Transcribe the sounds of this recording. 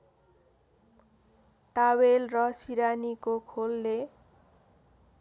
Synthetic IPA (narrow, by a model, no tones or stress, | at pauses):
t̪awelrʌsiɾanikokʰolːe